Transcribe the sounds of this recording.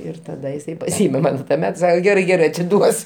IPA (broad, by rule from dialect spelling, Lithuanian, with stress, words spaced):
ˈɪr tɐˈdɐ jɪˈsɐɪ pɐˈsʲiːmʲɛ ˈmɐn tuɔˈmʲɛt ˈsɑːkʲɛ ˈɡʲæːrɐɪ ˈɡʲæːrɐɪ ɐtʲɪˈduɔs